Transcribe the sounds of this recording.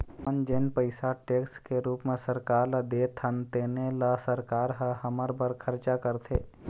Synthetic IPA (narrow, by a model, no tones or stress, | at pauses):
ənd͡ʒenpəɪsaʈeːkskeɾuːpmẽsɐɾkaːɾlɐd̪eːt̪ʰənt̪eːnelɐsəɾkaːɾɦəɦɐməɾbəɾkʰəɾt͡ʃakəɾt̪ʰeː